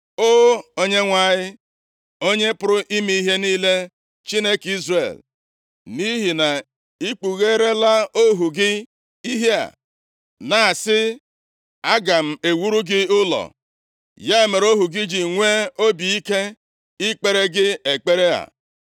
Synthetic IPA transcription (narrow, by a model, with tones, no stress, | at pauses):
oː˦o˦ɲe˦ŋʷa˨ɲɪ˦ | o˦ɲe˦pʊ˦ɾʊ˦ʔi˦mi˦i˦ɦe˦niː˦le˦ | t͡ʃi˦ne˦ki˦zrḛ˨l | ni˦ɦi˨na˨ | i˦k͡pu˨ɣe˦ɾe˦la˦o˦ɦu˨ɡɪ˦ | i˦ɦe˦a̰˨ | na˨a˨sɪ˦ | a˦ɡa˨m̩˦e˨wu˦ɾu˦ɡɪ˦ʊ˦lɔ̰˨ | ja˦e˨me˨ɾo˦ɦu˨ɡɪ˦d͡ʒɪ˨ŋʷe˦o˦bi˨i˦ke˦ | ɪ˦k͡pe˦ɾe˦ɡɪ˦e˨k͡pe˦ɾe˦a̰˨